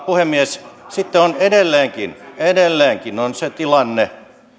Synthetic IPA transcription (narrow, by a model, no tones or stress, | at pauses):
puhemːiessit̪ːeonedelːeːŋkinedelːeːŋkinonset̪ilɑnːe